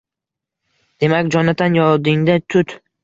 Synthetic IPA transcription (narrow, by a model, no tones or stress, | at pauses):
d̪̥e̞makʲd͡ʒɒnad̪ʰanjɒlˠd̪ɪŋd̪at̪ʰʊt̪